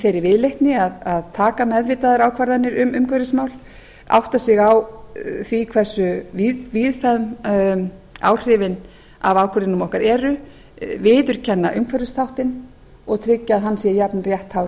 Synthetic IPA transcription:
fɛɾɪɾvɪðlejht̪nɪaðaðt̪ʰaːkamɛðvɪt̪aðaɾaːwkʰvaɾðanːɪɾʏmʏmkʰvœɾðɪsmaːwl | a̰wht̪asɪɣawθvikʰvɛsːʏviðfɛðm | a̰ːwr̥ɪvɪn | a̰vaːwkʰvɛɾðɪnʏmɔhkaɾɛːɾʏ | vɪːðʏɾ̥cʰɛnːaʔʏmkʰvaɾðɪst̪ʰawht̪ɪn | ɔɣt̪ʰɾɪcːaːðɦanːsiːajapnrjɛht̪hawɾ

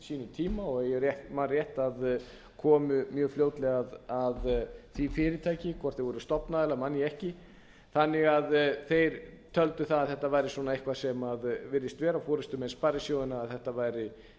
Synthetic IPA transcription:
siːnʏt̪ʰiːmaɔɣjɛrjɛhmarjɛht̪að | kʰɔːmʏmjœːɣfljowt̪lɛɣaðaðθifɪːɾɪt̪ʰaːjcɪkʰvɔr̥t̪θɪvɔːɾʏst̪ɔpnaðlamanːjɪɛhcɪ | θanːɪɣaðθejɾt̪ʰœlt̪ʏθaðaðθɛht̪avaːjɾɪsɔnaejhkvḁsɛmaðvɪɾðɪst̪vɛːɾafɔːɾɪst̪ʏmɛnsparɪsjoːwðɪnaːðθɛht̪avajɾɪ

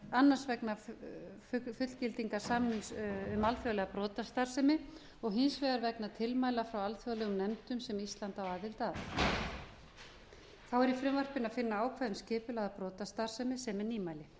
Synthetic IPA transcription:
anːansvɛknafʏfʏt̪l̥cɪlt̪iŋkaɾ̥saːmnɪnsʏmalfjɔlɛɣapɾɔːt̪ast̪ar̥sɛmɪ | ɔɣɦɪnsvɛːɣaɾvɛknat̪ʰɪlmaːjlafɾawalfjɔɣlɛɣʏmnɛmt̪ʏmsɛmist̪lant̪awaːðɪlt̪af | θawɛɾifɾɪmvœr̥pɪnaðfɪnːaaːwkʰvaðʏmscɪːpʏlaɣðapɾɔːt̪ast̪ar̥sɛmɪsɛmɛɾniːmaːjlɪ

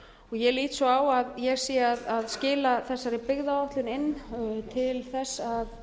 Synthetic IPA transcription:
ɔɣjɛliːt̪sɔaːwaðjɛɣsiːaðaðscɪːlaθɛsːaɾɪpɪɣðaɔht̪lʏnɪnːt̪ʰɪlθɛsːað

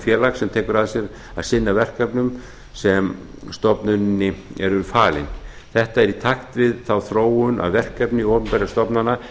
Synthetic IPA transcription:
fjɛːlaksɛmt̪ʰɛːkʏɾaðsjɛɾ | aðsɪnːavɛr̥kapnʏm | sɛm | st̪ɔpnʏnːɪɛɾʏɾfaːlɪ̰n | θɛht̪aɛɾit̪ʰaxt̪vɪðθawθɾoːwʏnʔa̰wvɛr̥kapnɪɔːpʏmpɛɾjast̪ɔpnanːa

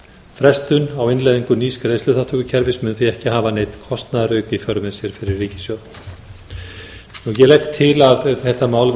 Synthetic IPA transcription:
fɾɛst̪ʏnawɪnlajðiŋkʏniːskɾejslʏθaht̪ʰœkʏcʰɛɾvɪsmʏnθiɛhcɪɦaːvanejt̪kʰɔst̪naðɾœɥkifjœɾʏmɛsjɛɾ̥fɪɾɪrːiːcɪ̥sjowt̪n | nujɛlɛhkt̪ʰːɪlavθɛht̪amaːwl

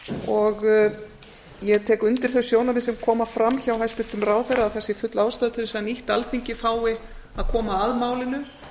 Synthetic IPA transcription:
ɔɣ | jɛɣt̪ʰɛːkʏnt̪ɪɾ̥θœɥsjoːwnamɪsɛmkʰɔːmafɾamçawɦajst̪ɪft̪ʏmɾaːwθejɾːaaðθɛsːɪfʏt̪laːwst̪aːðt̪ʰɪɾsaaniht̪alθiɲcɪfaːwɪaðkʰɔːmaːðmaːwlɪnʏ

